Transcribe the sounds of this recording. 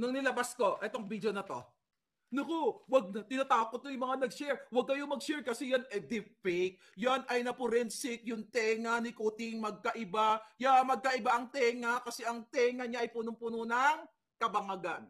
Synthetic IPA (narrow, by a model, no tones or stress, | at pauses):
nɐŋnɪlɐbasko̞ʔɛt̪o̞ŋbid̪jo̞nɐt̪o̞̰ | nokowɐɡ̚nɐt̪ɪnaːt̪aːhokːot̪̚ːojʊŋmɐŋanɐɡ̚ʃɛɹwɐɡ̚kɐjomɐɡ̚ʃɛɹkɐsɛjɐnɐd̪ɪfɛjk̚jonɐjnɐpʊɾɛnsɪk̚jʊŋt̪ɛŋɐnɪkuːt̪ɪŋmɐɡ̚kɐʔɪbajamɐɡ̚kɐʔɪbaʔɐŋt̪ɛːŋɐkɐsɛʔɐŋt̪ɛŋɐɲaʔɐjpuːnʊŋpunonɐŋ | kɐbɐŋɐɡan